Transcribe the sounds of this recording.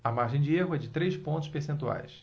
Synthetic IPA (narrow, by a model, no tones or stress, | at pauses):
ɐmaɾʒẽj̃d͡ʒɪeɦʊɛd͡ʒɪt̪ɾejspõnt̪ʊ̥ʃpeɾsẽnt̪ua̰js